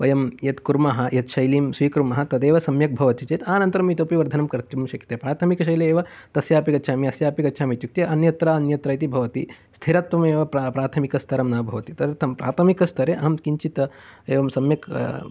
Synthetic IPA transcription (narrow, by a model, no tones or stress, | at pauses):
ʋɐjɐmjɐt̪kuɾmɐɦɐ̆jɐt̪ʃɐjliːmsʋiːkɾumɐɦɐt̪ɐd̪eːʋɐsɐmjɐk̚bʱɐʋɐt̪it͡ʃɐt̪aːnɐnt̪ɐɾɐmit̪oːpiʋɐɾd̪ʱɐnɐmkɐɾt̪jumʃɐki̥t̪eːpɾaːt̪ʰɐmikɐʃɐjleːʋɐt̪ɐsjaːpikɐtːʃʰaːmiɐsjaːpikɐtːʃʰaːmit̪juk̚t̪jɐʔɐnjɐt̪ɾaːɐnjɐt̪ɾɐːjt̪̬ibʱɐʋɐt̪ḭ | st̪ʰiɾɐt̪ʋɐmeːʋɐppɾaːt̪ʰɐmikɐst̪ʰɐɾɐmnaːbʱɐʋɐt̪it̪ɐɐt̪ʰɐmpɾa̰ːt̪ʰɐmikɐst̪ʰɐɾeʔɐɦɐmkiɲt͡ʃit̪ɐeːʋɐmsɐmjɐk